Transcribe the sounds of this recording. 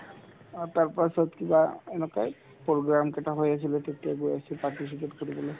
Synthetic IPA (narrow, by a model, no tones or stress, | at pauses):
taɹpasɔtkibaɛnɛkaj | poɡɹamkɛtaɦojas̬ilɛtetijaɡojasipaɹtis̬ipetkoɹibɔloj